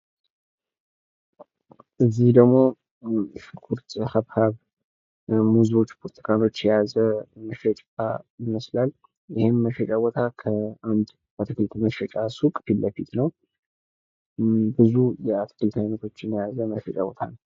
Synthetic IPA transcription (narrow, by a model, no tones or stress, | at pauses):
ʔɨzːihd̪əɡmo̞ | ʃɨkʰuɾt̪haβhaβ | muzo̞t͡ʃːpʰoɾt̪ʰi̥kʰano̞t͡ʃːjɛjazəməʃɛt͡ʃʼajɪməslal | jɪhemːəʃɛt͡ʃʼawɔt̪ʰakʰəand̪ | at̪ʰɨkʰɨlt̪ʰməʃɛt͡ʃʼasukʼfilːəfit̪nəw | bɨzujɛat̪ʰɨ̥kʰɨlt̪ʰajnot̪ʰo̞t͡ʃːɪnjɛjazəməʃɛt͡ʃʼa̰wɔ̰t̪ʰanəw